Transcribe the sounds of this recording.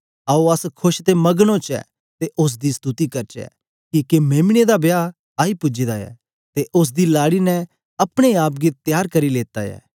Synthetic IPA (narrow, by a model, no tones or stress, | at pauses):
aːoɐskʰʊʃt̪emɐɡɽ̃õt͡ʃɛ̰ː | t̪eʔʊs̬d̪ist̪ut̪ikɐɾt͡ʃɛ̰ː | kikemeːmɽ̃ed̪abja | aːipʊd͡ʒid̪aɛ̰ː | t̪eʔʊs̬d̪ilaːɽinɛ̃ | ɐpɽ̃eaːp̬̚ɡet̪jaːɾkɐɾileːt̪a̰jɛ̰ː